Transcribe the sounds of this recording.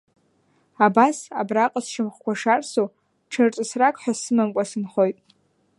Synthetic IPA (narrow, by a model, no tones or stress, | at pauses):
abasa̰braqʼəsʃʰɨmχkʷaʂarso | ʈ͡ʂʰart͡ʃʷʼɨsrakʷʰʼħʷᶣasɨmamkʷʼasɨnχo̞jtʼ